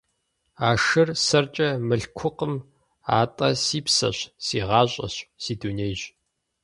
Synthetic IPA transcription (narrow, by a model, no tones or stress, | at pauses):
aːʂɨrsɐrt͡ʃʼɐmɨɬkʷʰʊqəm | a̰ːtʼɐsiːpsɐ̰ɕsiːʁɑːɕʼɐ̰ɕsiːdunejʑ